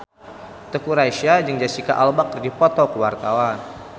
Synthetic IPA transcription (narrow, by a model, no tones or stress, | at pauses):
t̪əkuɾajʃiad͡ʒəŋd͡ʒasika̰ʔalbakərdipɔt̪ɔkəwart̪awan